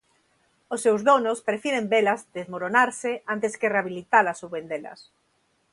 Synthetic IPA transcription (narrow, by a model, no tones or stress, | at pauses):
osːewzðonospɾefiɾembelazd̪ezmoɾonaɾseʔant̪eskereaβilit̪alasuβend̪elɐ̰s